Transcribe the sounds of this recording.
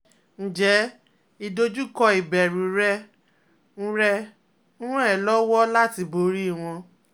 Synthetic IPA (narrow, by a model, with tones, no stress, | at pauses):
n̩˨d͡ʒɛ˨˦ | i˧do˧d͡ʒu˦kɔ˧i˨bɛ˨ɾũ˨ɾɛ˦ | n̩˦ɾɛ˧ | n̩˦ɾũ˦ɛ˦˨lɔ˦wɔ˦la˦ti˧bo˧˦ɾi˦i˦˨w̃ɔ̃˧